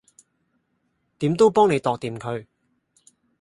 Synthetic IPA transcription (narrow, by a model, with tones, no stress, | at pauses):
t̪iː˨˥mt̪o˥wpɔː˥ŋne˨˧jt̪ɔː˨k̚t̪iː˨mkʰɵ˨˧ɥ